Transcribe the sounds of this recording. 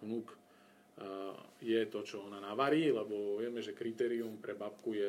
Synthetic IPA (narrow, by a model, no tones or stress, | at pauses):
nuk | jɛt̪ɔt͡ʃɔɔnanaʋaɾiːlɛbɔʋɪɛmɛʒɛkɾit̪ɛːɾiumpɾɛbap̚kujɛ